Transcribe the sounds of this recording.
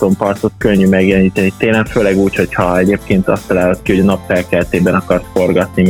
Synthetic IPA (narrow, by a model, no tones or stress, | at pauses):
t̪ompɒrt̪ot̪køɲːymɛɡjɛlɛniːt̪ɛnitt̪eːnlːɛkføːlɛɡuːcho̞chɒɛɟeːp̚keːnt̪ɒ̰st̪ːɒlaːlot̪kiho̞ɟɒnɒpfɛlkɛlt̪eːbɛnɒkɒrsfo̞rɡɒt̪ni